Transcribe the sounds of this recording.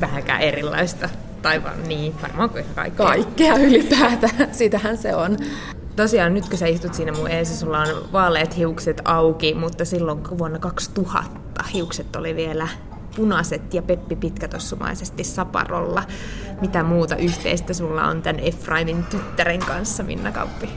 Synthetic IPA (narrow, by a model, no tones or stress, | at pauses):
ʋæhækæ̰ːʔerilːɑ̰ist̪ɑ | t̪ɑiʋɑ̰nniːʋɑ̰rmɑːŋkikækɑ̰ikːɑikːeɑylipæːt̪æsiːt̪æhænseon | t̪osiɑːnnyt̪køsæist̪ut̪siːnæmueːsɑsulːɑonʋɑːleːt̪hiukset̪ɑukimut̪ːɑsilːoŋkʋuonːɑkɑkst̪uhɑ̰t̪ːɑhiukset̪ːo̰liʋielæ | punɑset̪jɑpepːipit̪kæt̪osːumɑ̰isest̪issɑpɑ̰ro̰lːɑ | mit̪æmuːt̪ɑ̰ʔyht̪ḛist̪æsulːɑ̰o̰nt̪ænʔefrɑimint̪yt̪ːæɾeŋkɑnsːɑmḭnːɑkɑ̰upːi